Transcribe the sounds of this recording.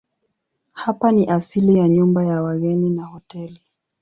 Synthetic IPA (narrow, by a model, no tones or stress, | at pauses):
hapaniʔasilijaɲumbajawaɣɛninahɔtɛli